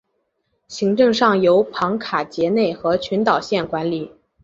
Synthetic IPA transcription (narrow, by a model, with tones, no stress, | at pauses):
ɕi˧˥ŋʈ͡ʂɤ˥˧ŋʂɑ˥˩ŋjo˧˥ʊpʰɑ˧˥ŋkʰa˨˩t͡ɕjɛ˧˥ne˥˩ɪxɤ˧˥t͡ɕʰy˧˥nt̪ɑ˨˩ʊɕjɛ˥˩nkwa˧˥nli˨˩˦